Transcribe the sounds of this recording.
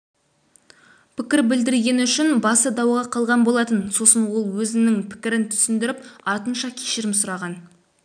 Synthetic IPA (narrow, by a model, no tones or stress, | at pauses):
pʰɪkʲɪɾbɪld̪ɪɾɡʲe̞nʏʃɪnbɑsəd̪ɑwʁɑqʰɑlˠʁɑnbo̞lˠɑt̪ənso̞sənwo̞lˠwɵzɪnnɪŋpʰɪ̥kʲɪɾɪnt̪ʰʏ̥sɪnd̪ɪɾɪpɑɾt̪ənʃɑkʲʰe̥ʃɪɾɪmsʊɾɑʁɑn